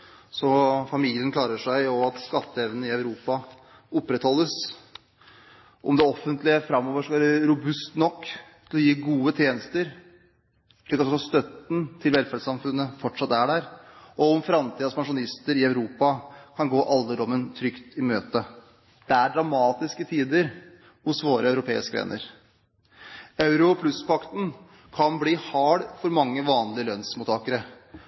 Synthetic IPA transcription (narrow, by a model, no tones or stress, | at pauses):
sɔfɑmiːlɪənkʰlɑːɾəʂæɪɔɑt̪skɑt̪ːəɛʋnəɪɑʉɾuːpɑ | ʊpːɾɛt̪hɔlːəs | ʔɔmd̪ɛɔfənt̪lɪəfɾɑmːɔːʋəʂɔkɑʋæːɾəɾʊbʉst̪nɔkːt̪ʰɪlɔjiːɡuːət̪ʰjeːnəst̪əɾ | ʂlikːɔsɔsɑst̪œt̪n̩t̪ʰɪlʋɛlfæɾɖsɑmfʉnːəfɔʈʂɑt̪ːæɖæɾʔɔɔmfɾɑmt̪ʰiːd̪ɑspʰɑnʂʊɑɪst̪əɾɪɑʉɾuːpɑkʰɑnɡoːʔɑlːəd̪ɔmːənt̪ʰɾʏkt̪ɪmøːt̪ə | d̪̥ɛæɖɾɑmɑːt̪ɪskət̪ʰiːd̪əɾ | hʊsʋoːɾəɑʉɾʊpʰḛːɪskəʋḛːnə̰ɾ | ɑʉɾʊpʰlʉspʰɑkt̪n̩ | kʰɑnbɽiːhɑːɽfɔɾmɑŋːəʋɑːnlɪəlœnsmʊt̪ʰɑːkəɾə